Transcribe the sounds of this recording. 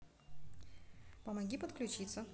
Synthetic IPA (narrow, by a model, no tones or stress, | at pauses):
pəmɐɡʲipət̪klʲʉt͡ɕit̪sə